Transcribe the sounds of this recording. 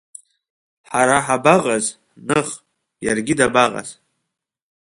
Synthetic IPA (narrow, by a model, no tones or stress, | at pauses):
ħaɾaħabaʁʼaz | nɨχ | jarɡʲɪdabaqʼa̰z̥